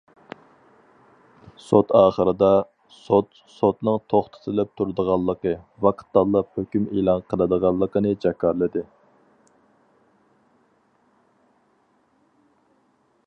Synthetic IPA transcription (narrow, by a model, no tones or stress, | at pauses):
sot̪ɑːχəɾɨd̪ɑ | sot̪ | sot̪nɨŋt̪ʰoχt̪ʰə̥t̪ʰɨlɪp̚t̪ʰuɾɨd̪əʁɑlˠːəqəvɑqʰə̥t̪ːɑlˠːəphøkʲymelˠɑnqʰəlˠɨd̪əʁɑlˠːəqənɨd͡ʒɑkʰːɑɾlˠɨd̪ɨ